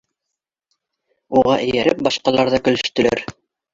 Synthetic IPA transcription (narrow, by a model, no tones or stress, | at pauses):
uʁɑʔɘ̆jæɾɘp̚bɑʃqɑlˠɑɾðɑkɵ̆lɵ̆ʃt̪ɵ̆læ̰ɾ